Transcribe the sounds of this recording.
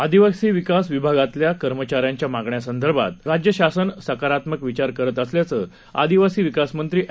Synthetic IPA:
ad̪iʋaksiːʋikasʋibʱaɡat̪ljakəɾmət͡ɕaɾjaɲt͡ɕjamaɡɳjasənd̪ʱəɾbʱa̰t̪̚ɾad͡ʑjəɕasənsəkaɾat̪məkʋit͡ɕaɾkəɾət̪əsljat͡səː | a̰d̪iʋasiːʋikasmənt̪ɾiːʔ

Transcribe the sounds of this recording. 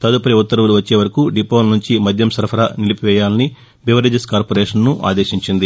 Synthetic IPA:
t̪ɐd̪upɐɾiut̪ːɐɾɐʋuluʋɐt͡ʃːeːʋɐɾɐkuɖipoːlɐnuɲt͡ʃimɐd̪ʱjɐmsɐɾpʰɐɾɐ̰nilipiʋɛːjaːlɐni | biʋɐɾed͡ʒeskaːɾpoɾeːʂɐnnuʔa̰ːd̪eːʃiɲt͡ʃind̪i

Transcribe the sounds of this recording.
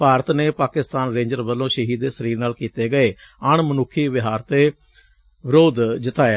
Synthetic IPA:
paːɾət̪neːpaːkɪst̪aːnɾẽːɲd͡ʒəɾʋəlːõːʃəɦiːd̪eːsəɾiːɾnaːlkiːt̪eːɡəeːəɳmənʊkʰːiːʋɪɦaːɾt̪eː | ʋɪɾoːd̪d͡ʒɪt̪aːja

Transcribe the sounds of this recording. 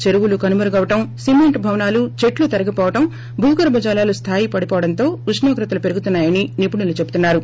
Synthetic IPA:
t͡ʃe̞ɾuʋulukɐnumɐɾɐɡɐʋɐʈɐmsimeɳʈbʱɐʋɐnaːlut͡ʃe̞ʈlut̪ɐɾɐɡipɔːʋɐʈɐm | bʱuːkɐɾɐbʱɐd͡ʒaːlaːlust̪ʰaːjipɐɽipɔːʋɐɽɐnt̪o̞ːuʂnoːkɾɐt̪ɐlupeɾuɡut̪unːaːjɐninipunilut͡ʃebut̪unːaːɾu

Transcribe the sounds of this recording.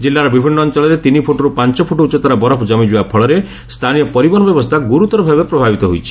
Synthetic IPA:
d͡ʒilːaɾɔbibʱinːɔːnt͡ʃɔlɔɾet̪inipʰuʈɔɾupant͡ʃɔpʰuʈout͡ʃɔt̪aɾabɔɾɔpʰd͡ʒɔmid͡ʒibapʰɔɭɔɾe | st̪ʰanijɔpɔɾibɔnɔbjɔbɔst̪ʰaɡuɾut̪ɔɾɔbʱabepɾɔbʱabit̪ɔɦojt͡ʃʰi̥

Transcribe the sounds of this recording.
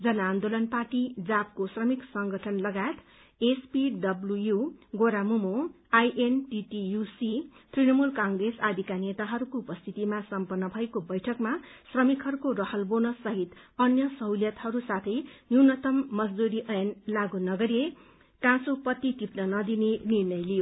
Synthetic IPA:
d͡zʌnaːnd̪olʌnparʈid͡zap̚kosrʌmiksʌŋɡʌʈʰʌnlʌɡaet̪ | espiɖʌblujuɡoɾamumo | ajʔenʈiʈijusit̪rinʌmulkaŋɡresad̪ʱikanet̪aɦʌɾukoupʌst̪ʰit̪imasʌmpʌnːʌbʱʌekobʌjʈʰʌkmasrʌmikɦʌɾukorʌhʌlbonʌsʌɦit̪ʌnjʌsʌɦwljʌt̪ɦʌɾusat̪ʰʌjnuwnʌt̪ʌmːʌd͡zd̪uɾiʔʌjʌnlaɡunʌɡʌɾie | kãsupʌt̪it̪ipnʌnʌd̪inenirnʌjlijo

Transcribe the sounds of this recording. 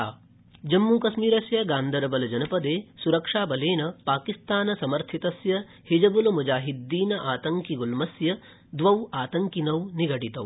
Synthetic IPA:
aː | d͡ʒɐmːuːkɐsmiːɾɐsjɐɡaːnd̪ʱɐɾɐbɐlɐd͡ʒɐnɐpɐd̪eːsuɾɐkʂaːbɐleːnɐpaːkist̪aːnɐsɐmɐɾt̪ʰit̪ɐsjɐ | hid͡ʒɐbulɐmud͡ʒaːɦid̪ːiːnɐʔaːt̪ɐŋkiɡulmɐsjɐ | d̪ʋɐwaːt̪ɐŋkinɐwniɡɐʈit̪ɐw

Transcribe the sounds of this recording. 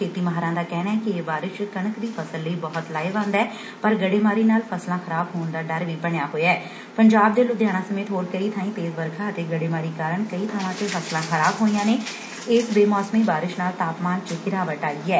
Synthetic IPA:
kʰeːt̪iːməɦɾãːd̪aːkɛːɽ̃aːɦɛːkɪeːbaːɾɪʃkənəkd̪iːpʰəsəlːəiːbɔːʊt̪laːeːʋãːnd̪ɛː | pəɾɡəɽeːmaːɾiːnaːlpʰəslãːxəɾaːbɦoːnd̪aːɖəɾʋiːbəɳɪjaːɦoːjɛː | pəɲd͡ʒaːb̚d̪eːlʊd̪ʱjaːɽ̃ãːsəmeːt̪ɦoːɾkəiːt̪ʰaːĩːt̪eːzʋəɾkʰãːət̪eːɡəɽeːmaːɾiːkaːɾəɳkəiːt̪ʰaːʋãːt̪eːfʰəslãːxəɾaːbɦoːijãːneː | ɪsbeːmɔːsmiːbaːɾɪʃnaːlt̪aːpmaːnt͡ʃəɡɪɾaːʋəʈaːɡiːɛː

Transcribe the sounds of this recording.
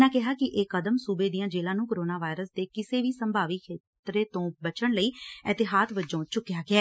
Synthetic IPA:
nãːkɪɦaːkɪʔeːkəd̪əmsuːbeːd̪ijãːd͡ʒeːlãːnũːkəɾoːnaːʋaːɪɾəsd̪eːkɪseːʋiːsəmbʱaːʋikkʰːeː | t̪ɾeːt̪õːbət͡ʃəɳləiːɛt̪ɪɦaːt̪ʋəd͡ʒõːt͡ʃʊkːjaːɡɪɛː

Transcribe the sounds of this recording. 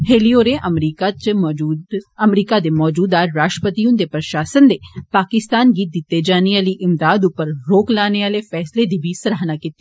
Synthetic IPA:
heːlioːɾeːʔəmɾiːkat͡ʃː | əmɾiːkaːd̪eːmɔːd͡ʒuːd̪aːɾaːʃʈəpət̪iʊ̃nd̪eːpɾəʃaːsənd̪eːpaːkɪst̪aːnɡiːd̪ɪt̪ːeːd͡ʒaːniaːliːʔɪmd̪aːd̪ʊpːəɾɾoːklaːneaːleːfʰɛːsleːd̪iːbiːsəɾaːɦnaːkɪt̪ːe

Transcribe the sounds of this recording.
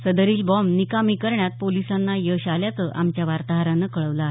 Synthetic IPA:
səd̪əɾiːlbɔmnikamikəɾɳjat̪̚polisanːajəɕaljat͡səʔamt͡ɕjaʋaɾt̪aɦaɾanːəkəɭəʋla

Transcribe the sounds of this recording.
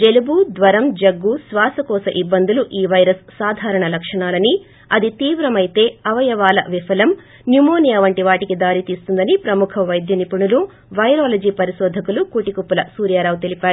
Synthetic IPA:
d͡ʒe̞lubud̪ʋɐɾɐmd͡ʒɐɡːusʋaːsɐkɔːsɐʔibːɐnd̪uluʔiːʋɐjɾɐssaːd̪ʱaːɾɐɳɐlɐkʂɐɳaːlɐni | ɐd̪it̪iːʋɾɐmɐjt̪e̞ːɐʋɐjɐʋaːlɐʋifʰɐlɐm | njumoːnijɐʋɐɳʈiʋaːʈikid̪aːɾit̪iːst̪und̪ɐnipɾɐmukʰɐʋɐjd̪jɐnipuɳulu | ʋɐjɾaːlɐd͡ʒiːpɐɾiʃɔːd̪ʱɐkulukuːʈikupːulɐsuːɾjaːɾaːʋut̪elipaːɾu

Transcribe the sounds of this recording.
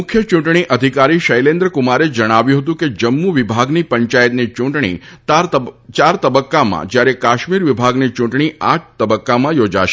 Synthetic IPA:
mʊkʰjət͡ʃũɳʈɳ̃iʔəd̪ʱikaɾiʃəjlẽnd̪ɾəkʊmaɾed͡ʒəɽ̃aʋjũɦət̪ũked͡ʒəmːuʋɪbʱaɡnipəɲt͡ʃajət̪nit͡ʃũɳʈɳ̃ḭt̪at͡ʃaɾt̪əbəkːamã̰d͡ʒjaɾekaʃmiɾʋibʱaɡnit͡ʃũɳʈɳ̃iʔaʈ̚ʰt̪əbəkːamãjod͡ʒa̰ʃe̥

